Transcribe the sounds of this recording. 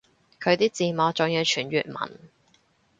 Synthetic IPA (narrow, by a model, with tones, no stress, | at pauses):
kʰɵ˨˧ɥt̪iː˥t͡siː˨mɔː˨˥t͡ʃʊ˨˧ŋji˨˧wt͡ʃʰyː˨˩nɥyː˨t̚mɐ̰˨˩n